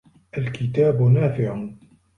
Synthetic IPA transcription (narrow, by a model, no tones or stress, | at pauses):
ʔalkʰɪt̪aːbʊnaːfɪʕ